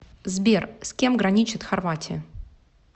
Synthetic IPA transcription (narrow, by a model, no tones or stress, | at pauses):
zbʲersʲkʲe̞mɡɾɐnʲit͡ɕɪt̪xɐrvatʲɪə